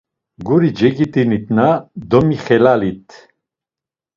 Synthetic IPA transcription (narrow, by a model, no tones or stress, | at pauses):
ɡuɾid͡ʒɛɡit̪ʼinit̪ʰʼnad̪ɔmiχɛlalit̪ʰ